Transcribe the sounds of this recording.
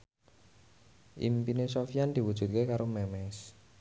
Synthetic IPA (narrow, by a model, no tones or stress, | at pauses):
ʔḭmpinesɔfijand̪̥i̤wud̥ʒ̥ṳt̪̚kekaɾomɛmɛs